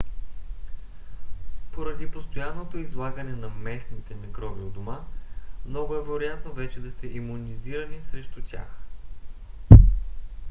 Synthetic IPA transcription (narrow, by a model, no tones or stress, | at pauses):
poɾɐd̪ipost̪ojanːot̪oizlˠaɡənɛnɐmɛsnit̪ɛmiɡɾɔviod̪omamnɔɡʊɛvɛɾojat̪novɛt͡ʃɛd̪ɐst̪ɛʔimuniziɾənisɾɛʃt̪ut̪ʲja̰x